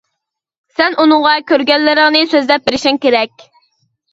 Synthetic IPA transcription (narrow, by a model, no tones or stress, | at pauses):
sɛnunʊŋʁɑkʲøɾɡʲɛlːɪɾɪŋnɪsøzlɛp̚bɪɾɪʃɪŋkʲeɾɛkʲ